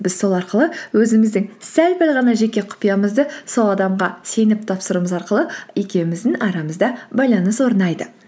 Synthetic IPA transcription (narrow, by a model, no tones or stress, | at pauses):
bɪzso̞lˠɑɾqəlˠəwɵzɪmɪzd̪ɪŋsælpælʁɑnɑʒe̞kʲe̞qʰʊ̥pijɑməzd̪əso̞lˠɑd̪ɑmʁɑse̞jnɪp̚t̪ʰɑpsəɾəməzɑɾqəlˠəe̞kʲe̞wmɪzd̪ɪnɑɾɑməzd̪ɑbɑjlˠɑnəswo̞ɾnɑjd̪ə